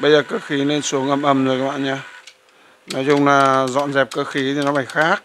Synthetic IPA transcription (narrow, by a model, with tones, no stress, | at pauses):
ɓə˧jzəː˨˩kəː˧xi˨˦ne˧nsu˨˦əŋʔə˧˩mʔə˧˩mzjkaː˦˥ɓa̰ː˧˨ɲaː˧ | nɔ˨˦jzʊ˧ŋ͡mlaː˨˩zɔ̰˧˨nzɛ˨˩p̚kəː˧xi˨˦t̪ʰi˨˩nɔ˨˦faː˧˩jxaː˦˥k̚